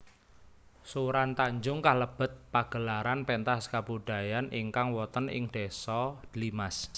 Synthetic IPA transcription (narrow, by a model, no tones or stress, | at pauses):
suɾant̪aɲd͡ʒʊŋkahləb̥ə̤t̪̚paɡ̥ə̤laɾanpent̪askabuɖ̥a̤janʔiŋkaŋwɔt̪ənɪ̰ŋɖ̥esɔd̪̥limas